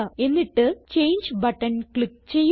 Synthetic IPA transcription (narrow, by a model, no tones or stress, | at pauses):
ɐe̞nːiʈːɨt͡ɕe̞jnd͡ʑbɐʈːɐnkɭik̚t͡ɕe̞jː